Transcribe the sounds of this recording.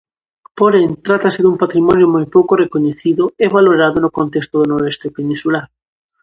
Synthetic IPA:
poɾeŋt̪ɾat̪asɪðumpat̪ɾimɔnjomojpowkorekoɲeθiðʊeβaloɾaðonʊkõnt̪est̪oðonoɾest̪epenĩnsulaɾ

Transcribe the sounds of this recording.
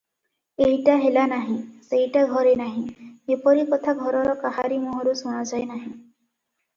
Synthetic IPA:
eɦiʈaɦelanaɦĩseɦjʈaɡʱɔɾenaɦĩepɔɾikɔt̪ʰaɡʱɔɾɔɾɔkaɦaɾimɔɦɔɾusuɽ̃ad͡ʒajnaɦĩ

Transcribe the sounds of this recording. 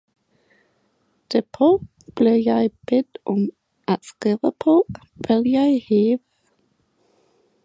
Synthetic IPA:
d̪̥æpʰo | b̥leːjæɪb̥ɛt̪ʔɔm | ʔat̪skiːʋəpʰoː | b̥ɪljæɪheːʋə

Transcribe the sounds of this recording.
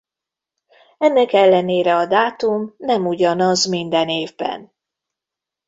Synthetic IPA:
ɛnːɛkɛlːɛneːɾɛɒd̪aːt̪umnɛmuɟɒnɒzmind̪ɛneːvbɛ̰n

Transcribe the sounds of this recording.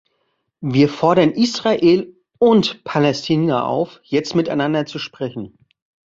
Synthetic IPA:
viːɐfɔɐɾɐnʔiːsʁaʔeːl | ʊntpʰalɛstʰiːnaʔa̰ʊfjɛt͡stmɪtaɪnandɐt͡suʃpʁ̥ɛçn̩

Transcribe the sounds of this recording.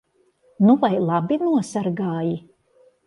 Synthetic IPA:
nuvajlˠabinuɔsaɾɡaːji

